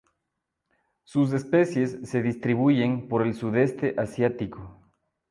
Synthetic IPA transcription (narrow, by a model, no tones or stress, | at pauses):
sus̬e̞spe̞sje̞sːe̞ðist̪ɾiβuʝe̞mpo̞ɾe̞lsuðest̪eʔasjat̪iko